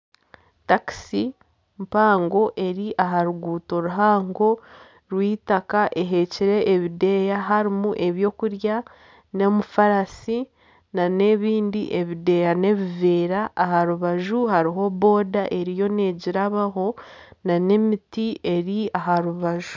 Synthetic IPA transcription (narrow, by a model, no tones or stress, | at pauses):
taki̥si | mpaːŋɡo̞ʔe̞ɾiʔaɦaɾuɡuːto̞ɾuɦaːŋɡo̞ | ɾwiːtakaʔe̞ɦe̞ciɾe̞ʔːβide̞jaɦaɾimuʔe̞βjo̞ːkuɾja | ne̞mufaɾasi | nane̞βiːndḭʔe̞βide̞jane̞βiveːɾaʔːɦaɾuβaʒuhaɾiɦo̞βo̞ːdaʔe̞ɾijo̞ne̞ːɟiɾaβaɦo̞nane̞mitie̞ɾiaɦaɾuβaʒu